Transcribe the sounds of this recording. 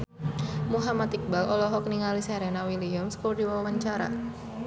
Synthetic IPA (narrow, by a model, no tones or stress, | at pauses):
muɦamat̪ik̚balɔlɔɦɔkniŋalisaɾɛnawiliʊmskudiwawawaɲt͡ʃaɾa̰